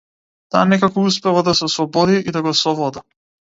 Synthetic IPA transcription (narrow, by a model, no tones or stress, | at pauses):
t̪a̰ːnɛkakɔuspɛvad̪asɛsvɔbɔd̪iʔid̪aɡɔsɔvɔd̪a